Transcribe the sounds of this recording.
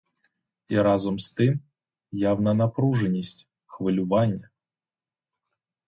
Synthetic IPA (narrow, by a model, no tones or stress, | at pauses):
iɾazɔmst̪ɪm | jawnɐnapɾuʐɛnʲisʲtʲ | xʋɨlʲʊvanʲːɐ